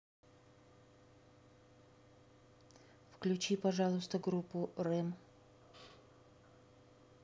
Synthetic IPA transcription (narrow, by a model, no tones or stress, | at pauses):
fklʲʉt͡ɕipɐʐalˠʊst̪əɡɾupːʊrɛm